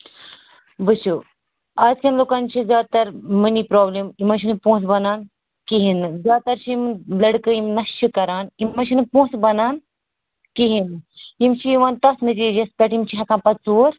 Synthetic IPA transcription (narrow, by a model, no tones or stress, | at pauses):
bɨt͡ʃʰu | aːzkʰʲɐnloːkɐnt͡ʃʰizjaːd̪̚t̪ɐɾmɨnipɾoːblimimɐt͡ʃʰinɨpõːsbɐnaːn | kiɦinɨzjaːt̪ɐɾt͡ʃʰiimlɐɽkɨimnɐsʰikɐɾaːnimɐt͡ʃʰinɨpõːt͡sbɐnaːn | kiɦinɨimt͡ʃʰiiʋaːnt̪ɐsnɨtid͡ʒɐspʲeʈimt͡ʃʰiɦɐkãːnpɐt͡suːɾ